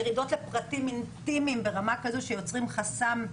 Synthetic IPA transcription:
jʁid̪o̞tlepʁatimintimimbeʁamakazoʃejo̞t͡sʁimχasam

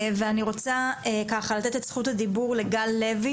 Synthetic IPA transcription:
veaniʁo̞t͡saekaχalat̪e̞t̪etsχut̪ad̪ibuʁle̞ɡalːe̞vi

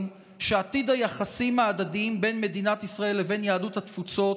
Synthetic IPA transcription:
n | ʃeat̪id̪hajaχasimhaːd̪ad̪iimbe̞nme̞d̪inat̪isʁae̞lːeve̞njaːduthat̪fut͡so̞

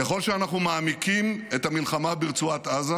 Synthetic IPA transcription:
eχo̞lʃeanaχnumaːmikimet̪amilχamabiʁt͡suat̪aza

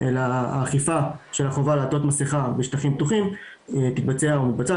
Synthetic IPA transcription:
ʔela̰ːχifaʃe̞laχo̞valatot̪maseχabeʃt̪aχimp̚t̪uχim | t̪it̪̚bat͡seaumit̪̚bat͡sa

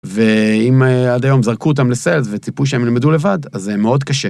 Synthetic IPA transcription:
ve̞imeadajo̞mzaʁkuot̬amlese̞lzvet͡sipuʃeemilmedule̞vadazeme̞o̞dkaʃe

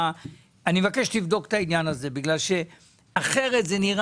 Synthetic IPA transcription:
animevakeʃtivd̪o̞kt̪ainjanaze̞biɡlalʃe̞ | aχe̞ʁe̞t̪zeniʁ

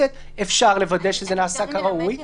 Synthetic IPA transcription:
et̪ | efʃaʁle̞vad̪eʃezenaːsakaʁauj

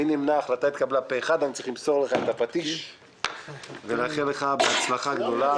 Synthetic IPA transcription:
inimnaːχlat̪ajit̪kablapeːχad̪ant͡sʁiχlimso̞ʁleχaet̪apat̪iʃ | velaχeleχabeat͡slaχaɡd̪o̞la

